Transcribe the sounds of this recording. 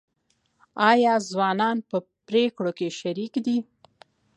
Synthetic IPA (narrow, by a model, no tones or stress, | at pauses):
ɑjɑzwɑnɑnpə | pɾekɽokeʃaɾikd̪i